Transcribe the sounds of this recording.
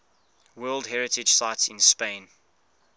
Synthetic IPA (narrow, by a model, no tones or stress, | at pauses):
wɜːlˠdɦɛɹɪtɪ̥d͡ʒ̥saɪtsɪ̃nspẽn